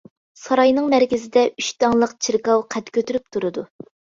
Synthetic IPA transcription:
sɑɾɑjnɨŋmæɾkʲɪzɪd̪ɛʔyʃt̪ɑŋlˠəqt͡ʃʰiɾkɑwqʰɛt̪kʲøt̪yɾyp̚t̪ʰuɾɨd̪u

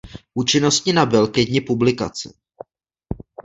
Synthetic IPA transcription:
ʔut͡ʃɪno̞stɲɪnabɪlkɪdɲɪpublɪkat͡sɪ̰

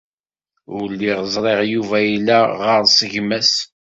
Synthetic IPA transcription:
ʊlːiʁəzˤɾˤeʁjuvæjilːæʁəɾˤsəʝmæs

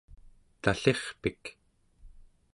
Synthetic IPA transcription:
t̪aɬeχpik

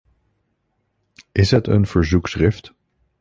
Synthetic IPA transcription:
ʔɪsɦətə̰nv̥əɹzuksrɪft

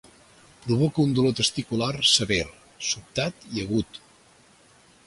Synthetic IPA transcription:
pɾuβɔkəund̪ulot̪əst̪ikularsəβeɾ | sup̚t̪at̪iəɣut̪

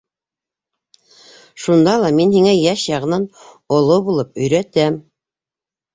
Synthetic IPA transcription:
ʃund̪ɑlˠɑminhiŋæjæʃjɑʁɤ̆nɑn | ŏlˠobulˠɤpɵ̆jɾæt̪æm

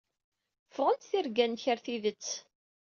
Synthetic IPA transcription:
fʁənt̪θiɾɡænçəɾθiðət͡sː

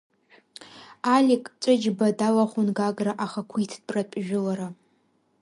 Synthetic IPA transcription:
alʲikʼt͡ʃʷʼɨd͡ʒbadalaχʷʊnɡaɡraʔaχakʷʰitʰd̚pʼrapʼʒᶣʊlaɾa

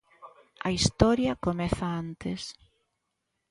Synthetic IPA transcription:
ɐ̰ist̪ɔɾjɐkomɛθɐant̪ɪs

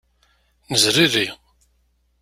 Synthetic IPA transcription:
nəzɾirːi

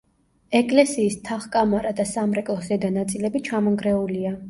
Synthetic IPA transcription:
ɛkʼlɛsiːst̪ʰaχkʼamaɾad̪asamɾɛkʼlˠɔsd̪ɛd̪anat̪sʼilɛbit͡ʃʰamɔŋɡɾɛulia

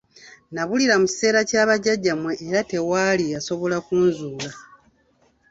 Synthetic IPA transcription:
naβuliɾamuci̥se̞ːɾacaːβaɟaɟːamwe̞ʔːɾate̞waːlijaso̞βo̞lakuːnzuːla

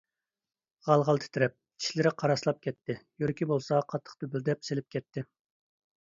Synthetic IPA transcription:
ʁɑlˠʁɑlˠt̪ʰɪ̥t̪ʰɪɾɛp̚kʲʰi̥ʃlɪɾɪqʰɑɾɑslˠɑp̚kʲɛt̪ʰːɪjøɾkʲibolˠsɑqʰɑt̪ʰːə̥χt̪øbyld̪ɛpselɪp̚kʲɛt̪ʰːɪ

